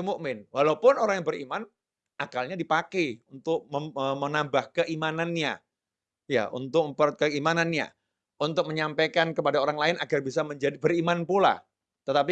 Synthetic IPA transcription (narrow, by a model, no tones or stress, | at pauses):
mumɪnwalaupʊnoɾaŋjaŋbəɾḭman | ʔakalɲadipakɛunt̪ʊk̚məəmənambahkəʔimananɲa̰ | ja̰ʔṵnt̪ʊk̚məpərt̪̚kəimananɲa̰ | unt̪ʊk̚məɲampekankəpadaoɾaŋlaɪnaɡarbisaməɲd͡ʒadibəɾimanpula̰ | t̪ət̪ap̬i